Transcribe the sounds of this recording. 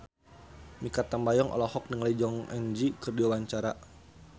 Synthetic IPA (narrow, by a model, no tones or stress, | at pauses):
mikat̪ambajɔŋʔɔ̰lɔhɔk̚niŋalid͡ʒɔŋɛnd͡ʒikɨrdiawaɲt͡ʃaɾa